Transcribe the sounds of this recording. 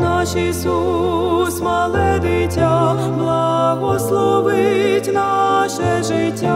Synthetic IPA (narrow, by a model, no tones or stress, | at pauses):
nɑʃisusmɐlˠɛd̪ɪtʲːa | blˠɐɣɔslˠɔʋɪtʲnɑʃɛʒɪtʲːa